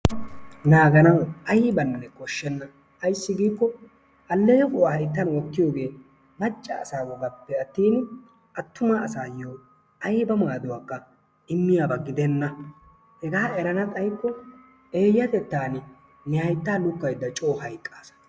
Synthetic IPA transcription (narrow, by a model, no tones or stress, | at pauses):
naːɡɐnɐwɐjbɐnːɛkɔʃːɛnːɐ | ɐjsːɪɡiːkːɔ | ɐlːejɛfʼʊwahɐjt̪ːɐnwɔkːɪjo̞ːɡe̞ː | mɐt͡ʃʼːɐ̰ːsaːwɔɡɐpːɛɐt̪ːiːn | ɐt̪ːʊmaːsaːjoː | ɐjbɐmaɡd̪ʊwaːkːɐ | ɪmːɪjaːbɐɡɪd̪ɛnːɐ | hɛɡaːɛɾɐnɐt̪ʼɐjkːɔ | eːjːɐt̪ɛt̪ːaːnɪ | nɪhɐjt̪ːaːlʊkːɐjd̪ːɐt͡ʃʼoːhɐjkʼːaːsɐ̥